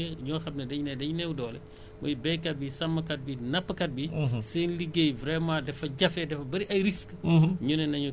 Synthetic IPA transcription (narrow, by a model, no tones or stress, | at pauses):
ɲɔːxɐmnɐdɐɲnɛdɐɲunɛwudɔːlɛ̰ | mɔjbɛjkɐt̚bisɐmːɐkɐt̚binɐpːəkɐt̚bisɛnliɡejvɾɛmãːdɛfɐɟɐfɛdɛfɐbɐɾiʔɐjɾiskɲunɛnɐɲu